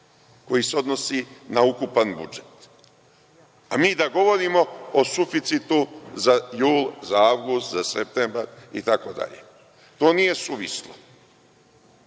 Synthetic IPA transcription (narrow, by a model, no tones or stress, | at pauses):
ko̞jise̞o̞d̪no̞sinaukupanbṵd͡ʒe̞t̪ | amiːd̪aɡo̞ʋo̞ɾiːmo̞osufit̪sit̪uzajuːlˠzaaʋɡust̪zasep̚t̪embaɾḭt̪ako̞d̪a̰ʎḛ | t̪o̞ːnije̞suʋislo